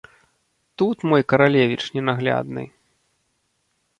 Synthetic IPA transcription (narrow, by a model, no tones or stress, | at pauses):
t̪ut̪mɔjkɐɾalʲevʲit͡ʂnʲɛnaɣlʲa̰d̪nɨ̰j